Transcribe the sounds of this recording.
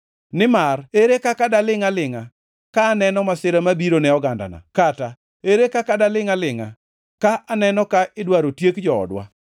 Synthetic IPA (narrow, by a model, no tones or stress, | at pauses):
nɪmareɾekakadalɪŋalɪŋa | kaːnɛnɔmasɪɾamabiɾonɛɔɡanda̰na̰kata | eɾekakadalɪŋalɪŋa | kaʔanɛnɔkaʔɪdwaɾotjekd͡ʒɔɔ̰dwa̰